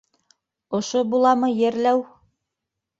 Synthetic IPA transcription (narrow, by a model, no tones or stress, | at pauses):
ŏʃobulˠɑmɤjɘ̆ɾlæw